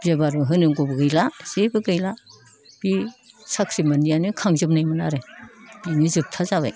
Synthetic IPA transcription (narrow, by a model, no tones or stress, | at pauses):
bzebaɾɯɦɯnɯɡobɯɡɯjlazebɯɡɯjla | b̥i | saksimanijanɯkʰaŋzɯpnajmɯnaɾeb̥inizɯp̚tʰazaβa̰j